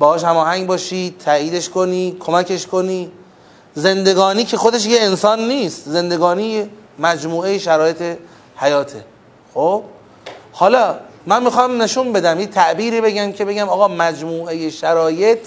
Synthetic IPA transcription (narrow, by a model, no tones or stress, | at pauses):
bɒːhɒːʃhæmɒːhæŋɡbɒːʃiːt̪ʰæʔiːd̪eʃko̞niːkʰomækʰe̞ʃkʰo̞niː | ze̞nd̪e̞ɡɒːniːcʰe̞xod̪e̞ʃ̬jeensɒːnːiːst̪ze̞nd̪e̞ɡɒːniːjemæd͡ʒmuːejeʃæɾɒːje̞t̪ʰe̞ | hæjɒːt̪ʰe | xob̥ | hɒːlɒːmænmixɒːmne̞ʃunbe̞d̪æmjet̪ʰæʔbiːɾiːbe̞ɡæmcʰe̞be̞ɡæmɒːɣɒːmæd͡ʒmuːʔejeʃæɾɒːje̞t̪ʰ